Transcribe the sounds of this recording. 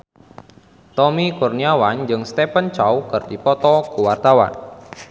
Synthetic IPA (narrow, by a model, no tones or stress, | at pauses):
t̪ɔmikurniawand͡ʒɨŋst̪epənt͡ʃawkɨrdipɔt̪ɔkuwart̪awa̰n